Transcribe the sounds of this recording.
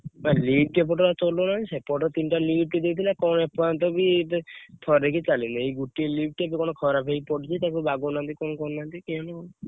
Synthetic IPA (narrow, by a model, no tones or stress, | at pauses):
malibʈep̬ɔʈɔɾat͡ʃɔlonaĩsepɔʈɔt̪inʈalib̚ʈid̪ejt̪ʰilakɔñepat̪̬ɔbit̪ʰɔɾekit͡ʃalinaejɡuʈielib̚ʈiabikɔnɔkʰɔɾapʰeipɔɽit͡ʃʰit̪akɔbaɡunant̪ikɔnɔkɔnnant̪ikenɔ